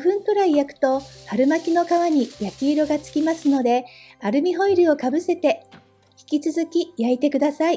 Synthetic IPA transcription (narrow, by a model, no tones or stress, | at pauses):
ɸɯ̟̃nt̪oɾaijakɯ̟̥t̪o̞haɾɯ̟makʲino̞kaβaɲ̟ijakʲiːɾo̞ɡat͡sɨ̥kʲimasɨno̞d̪e̞ | aɾɯ̟mʲiɦo̞iɾɯ̟o̞kabɯ̟se̞t̪e̞ | çʲi̥kʲit͡sɨzɨkʲijait̪e̞kɯ̟d̪asai